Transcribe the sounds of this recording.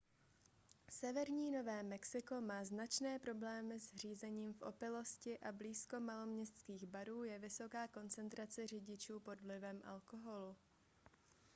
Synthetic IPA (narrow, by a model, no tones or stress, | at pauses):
sɛvɛɾɲiːno̞vɛːmɛksɪko̞maːznat͡ʃnɛːpɾo̞blɛːmɪzr̝iːzɛɲiːmfʔo̞̰pɪlo̞scɪʔabliːsko̞malo̞mɲɛst̪t͡skiːɣbaɾuːjɛvɪso̞kaːko̞nt͡sɛnt̪ɾat͡sɛr̝ɪɟɪt͡ʃuːpo̞dvlɪvɛmʔa̰lko̞ɦo̞lu